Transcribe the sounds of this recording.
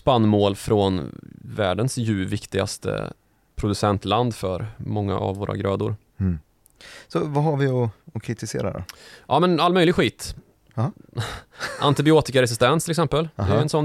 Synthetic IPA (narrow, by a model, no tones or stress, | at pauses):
spanːmoːlfɾɔnvæ̰ːɖənsjʉ̟ːvɪkt̪ɪɡa̰st̪ə̰ | pʰɾʊd̪ɵsɛnt̪land̪fœɾmɔŋːa̰ʔa̰vːoːɾa̰ɡɾɑːd̪ʊɾ | sɔvaɦaɾvɪɔɔkʰɾɪt̪ɪsḛːɾa̰ɾɔ̰ʔɑːmɛnalmœʏjlɪɡɧiːt̪ | ʔant̪ɪbɪoːt̪ɪkaɾɛs̬ɪst̪ɛnsʰɪlɛksɛmpəld̪ɛjɛnsɔn